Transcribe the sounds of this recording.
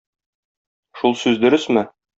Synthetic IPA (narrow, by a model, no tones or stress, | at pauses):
ʃulˠsʉzd̪ɵ̆ɾɘsmɘ